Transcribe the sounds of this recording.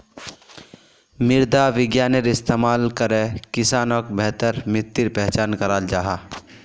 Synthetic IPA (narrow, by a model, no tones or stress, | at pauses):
mɪɾd̪aʋɪɡjaːneɾɪst̪eːmaːlkəɾekɪsaːnokbɛɦt̪əɾmɪt̪ːɪɾpɛɦt͡ʃaːnkəɾaːld͡ʒaːɦaː